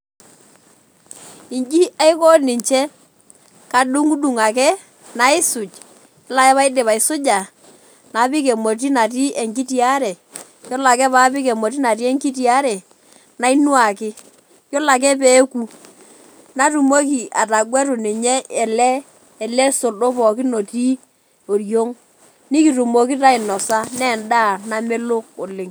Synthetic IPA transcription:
ɪ˨ɲd͡ʒi˦a˦ɪ˦kɔ˦nɪ˨ɲt͡ʃɛ˦ | ka˨ɗʊ˦ŋu˦du˨ŋa˨kɛ˦ | na˨ɪ˦sʊ˨t͡ʃ | la˦jɛ˦βa˦ɪ˦dɪ˨βa˨ɪ˨sʊ˦d͡ʒa˨ | na˨˦pɪ˦kɛ˨mo˨t̬i˦na˨t̬i˦ɛ˨ŋki˦ti˦a˦ɾɛ˨ | jɔ˦la˨kɛ˦paː˦pɪ˦kɛ˨mo˨t̬i˦na˨t̬i˦ɛ˦ŋki˦t̬i˦a˦ɾɛ˨ | na˨˦i˦nwa˨kɪ˦ | jo˦la˨k̬ɛ˦pe˨˦ku˦ | na˦tu˨mo˦k̬i˨ʔa˨ta˨ɡwɛ˦ɾʊ˨ni˨ɲɛ˦ɛ˨lɛː˦˨ | lɛ˦so˨do˦pɔ˨kɪ˦no˨ti˦ | o˨ɾjo˦ŋ | ni˦ki˨tu˨mo˨ki˦ta˦ɪ˨nɔ˨sa˦nɛ˦˨nda˦˨na˦me˦lʊ˦k̚ʊ˨lɪ˨ŋ

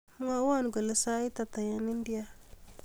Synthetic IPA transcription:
m˦ŋa˦wa˦˨nɡo˨lə˦sa˦i˦t̪a˨t̪a˨ja˦ni˦ndi˦a˦

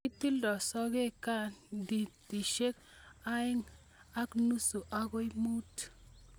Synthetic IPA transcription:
i˦ti˦ldɔ˨sɔ˦ɡe˦ka˦ndi˨ti˨ʃe˦k | a˦e˦ŋ | a˦knu˦su˨ʔa˦ɡo˦i˦mu˦t

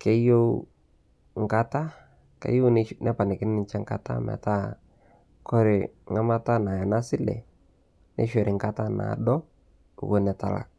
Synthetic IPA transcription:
ke˦jo˦ | ŋka˦ta˦ | kḛ˦jo˦nnɛ˦pa˨nɪ˨kɪ˦nɪ˦nɪ˦nt͡ʃɛ˦ŋka̰˨ta̰˦mɛ̰˨ta˦ | kɔ˦ɾɪ˨ŋa˦ma˦ta˦na˨ja˨na˦sɪ˦lɛ̰˨ | nɛ̰˦ʃwɛ˨ɾɪ˨ŋka˦ta˦na̰˨dɔ˦ | ṵ˨wo˦nɛ˨ta̰˨la̰˨k̚

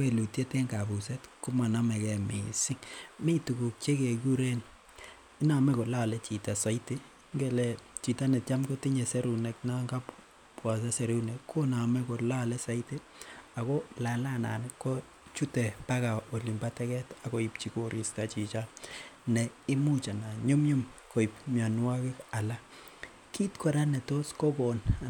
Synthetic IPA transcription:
ke˨lu˨tje˦te˦ŋɡa˨bu˨se˦tku˦ma˨na˦mɛ˨kɛ˨mḭ˨si˦ŋmi˦tu˨ku˨k̚t͡ʃe˦ke˨ɡu˦ɾe˦n | i˦na˨mɛ˦ko˨la˦˨lɛ˦t͡ʃi˨ta˨sa˨˦i˦te˦ | ŋɡɛ˦˨lɛ˨t͡ʃi˨ta˦nɛ˨tt͡ʃa˦mkɔ˦ti˦ɲe˨sɛ˦ɾu˨nɛ˨kna˦ŋɡa˦p | pwa˨s̬a˦se˨ɾu˦nɛ˨kʰːo˦na˨mɛ˦ko˨la˦lɛ˦sa˦ite˦ | a˨kɔ˦la˨la˦˨na̰˨nkɔ˦ | t͡ʃu˦tɛ˨pa˦ka˨o˨li˨mba˦tɛ˦kɛ˦ta˨kɔ˦ip̚t͡ʃi˦koɾʔi˨stat͡ʃi˨t͡ʃa˦nɛ˨ɪ˦mu˦t͡ʃa˨na˨ɲu˦mɲu˦mko˨i˨p̚mja˨nwa˦kɪ˦ka˨la˦ | ki˦tkɔ˨ɾa˦nɛ˨to˦skɔ˦kɔ˨na

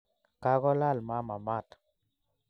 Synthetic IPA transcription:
ka˦ɣɔ˦la˦˨lma˨˦ma˨ma˦˨t

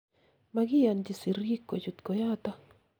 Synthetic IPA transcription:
maɡi˦ja˨nd͡ʒi˨si˨ri˦kːo˨d͡ʒu˨t̪ko˨ja˦t̪a˦

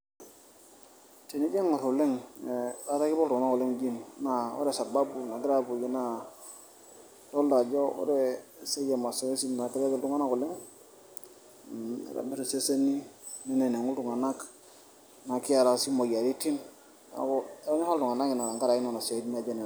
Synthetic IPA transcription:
te˨ni˦d͡ʒe˦ŋo˨ɾu˨li˦ŋ˨ | a˦ɾa˦ki˦bo˦ltu˨ŋ˨na˦ku˨li˦ŋd͡ʒi˦nna˨o̰˦ɾe˨sa˨ba˦bu˨na˨ɡɾa˦bu˨d͡ʒi˨na˦ | to˦lda˨d͡ʒo˦o̰˦ɾe˦se˦je˨ma˨se˨˦e˦si˦n˨a˨ki˦le˦bo˦ldu˦ŋa˦na˦ku˨li˦ŋ˨ | ɾa̰˨be˦to˨se˦se˦ni˦ | ne˦ne˨ne˨ŋu˦ldu˨ŋa˨na˦k | na˨ki˦a˨ɾa˨˦si˦mo˨ja˨ɾi˦ti˦n | a̰˨ko˦o˦ɲa˦ha˦ldu˨ŋa˨na˦ki˨na˨ɾa˨ŋɡa˦ɾa˨ki˦na˦˨na˨se˨˦dn˦a˦d͡ʒe˦ni˨

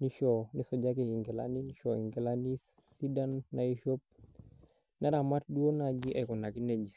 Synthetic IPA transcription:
ni˦ʃɔ˨ni˦sɔ˨d͡ʒa˦ki˨i˨ŋɡɛ˨la̰˦ni˦ni˦ʃɔ˨i˨ŋɡɛ˨la˦ni˦ | si˦da˦nːa˨i˦ʃo˦p̚ | na˦ɾa˨ma˦t̚du˦o˦na˨ɡi˦ʔa˨kɔ˨na˨ki˦ne˨d͡ʒi˨

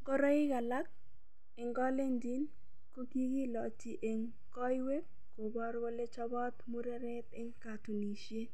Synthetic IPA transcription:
ɡɔ˦ɾɔ˦ɪ˦ɡa˨la˦k̚ | e˨ŋɡɔ˦le˦ndi˦n | ko˦ki˦ɡi˦lɔ˨ti˨ʔe˨ŋ | kɔ˦jwe˦k | ko˨bɔ˦ɾɡo˦le˦t͡ʃɔ˦bɔ˦t̪mu˦ɾe˦ɾɛ˦t̪e˦ŋka˨tu˨ni˨ʃje˦

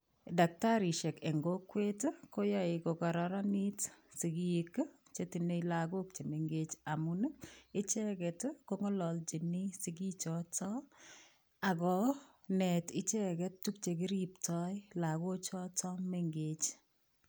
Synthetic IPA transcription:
da˨k̚ta˦ɾi˨ʃe˨ke˨ŋɡo˦kwe˦tko˦ja˦ɪ˨ko˨kɔ˨ɾɔɾa˦ni˦tsi˨ɡi˦k | t͡ʃe˦ti˨ne˦jla˨ɡo˦k̚t͡ʃe˨me˨ŋɡe˦t͡ʃa˨mun˦kɪ˦t͡ʃɛ˦kɛtko˦ŋɔ˦lɔ˨lt͡ʃi˨ni˦sɪ˨ɡi˦t͡ʃɔ˦tɔ˦ | a˨kɔ˨ | nɛ˨tɪ˦t͡ʃɛ˦kɛ˦ttu˦kt͡ʃe˨ki˦ɾiptɔjla˨ɡo˦t͡ʃɔ˦tɔ˦me˦ŋɡet͡ʃ

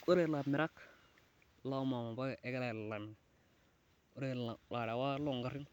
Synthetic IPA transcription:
ko˦ɾe˦˨la˨mi˨ɾa˦k | la˦ma˨ma˨ba˦˨ʔe˦ɡe˦la˦˨lla˨mi˨ | o˦ɾe˦˨la˨a˨ɾa˨wa˦lo˦˨ŋɡa˨ɾi˦ŋ

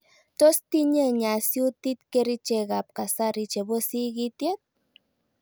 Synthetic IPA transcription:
t̪o˦st̪i˦ɲe˦ɲa˨sju˦t̪i˦t̪ke˦˧ɾi˦t͡ʃe˧ɣa˨p̚ka˨sa˦ɾi˧t͡ʃe˨bo˦si˦ɣi˦t̪je˦t̪̚

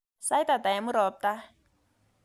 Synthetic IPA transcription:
sa˦i˦ta˨ta˨jɛ˨mu˦ɾɔ˨˦p̚ta˦

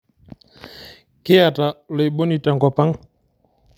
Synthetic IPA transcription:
kɪ˦a˨ta˨le˨ɓo˦ni˨ta˨ŋka˨pa˦ŋ

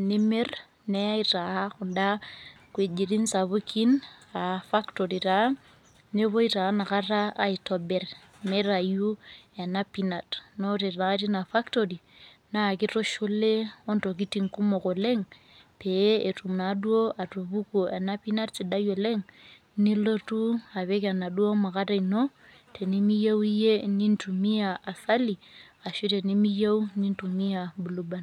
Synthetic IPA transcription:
ni˦me˦r | ne˦a˦ita˨ha˦kʊ˨nda˦ | kwe˨d͡ʒi˨ɾi˦nsa˨βu˦ki˦na˨fa˦kto˨ɾi˨ɾa˨˦ | ne˦βo˦i˦ta˨˦na˨ka˦ra˦a˨i˨tɔ˨be˨r | me˦ɾa˨ju˦e˨na˦pi˦na˨tno˦ɾe˨a˨˦ti˦na˨fa˦kto˨ri˨ | na˦˨ki˦to˦ʃo˦le˦o˦nto˨k̬i˦ti˨ŋku˦mo˨ko˨le˦ŋ | pe˨˦e˨tu˨mna˨du˦o˦ʔa˨to˨βu˦ko˨a˨na˦pi˦na˦tsi˨ɗa˦jo˨le˦ŋ | ni˦lo˦tu˦a˨βe˦ka˨na˨ɗu˦o˦ma˨ka˦ta˨ino˦ | te˨ni˦mi˦ja˦wi˦je˦ni˦ntu˨mi˦ja˨a˨sa˦li˨ | a˨ʃu˦te˨ni˦mi˦ja˦wu˦ni˦ntu˨mi˦ja˨bu˨lu˦ba˨n

